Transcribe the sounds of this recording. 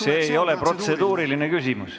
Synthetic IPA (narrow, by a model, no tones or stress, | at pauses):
se̞ːjo̞le̞pro̞t̪se̞d̪̥uːɾiline̞kysʲimus